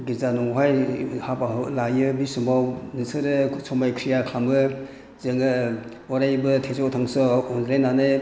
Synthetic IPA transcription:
ɡiɾzanɔŋɦajhapaɦlajɯbisumawnisɯɾɯsɔmajkʰɾijakʰlamɡɯ | zɯŋɯ | ɔɾajbɯtʰezɔtʰaŋsɔɔndɾenanɯ

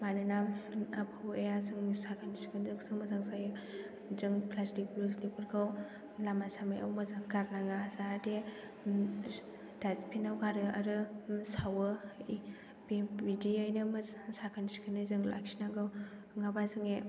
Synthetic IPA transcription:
manɯnamapʰawejazɯŋsakʰanisi̥kʰɯnzɯŋsɯŋmazaŋsajɯ | zɯŋpʰlastik̚bluslipɯɾɡʰaw | lamasamaja̰wmazaŋɡaɾnaŋazade | daspʰinawɡaɾɯa̰ɾɯsawɯ | bbidiajnɯmɯsakʰanisi̥kʰɯnɯzɯŋla̰kʰsinaɡɯw | ŋabazɯŋe

